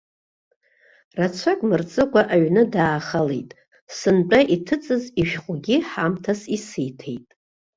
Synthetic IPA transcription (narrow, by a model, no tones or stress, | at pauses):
rat͡sʷʰakʼmɨrt͡sʼɨkʷaʔaɥnɨdaːχalejtʼ | sɨnt͡pʼaʔitʰɨt͡sʼɨziʃᶣχʷʼʊɡʲiħamtʰasisɨjtʰejtʼ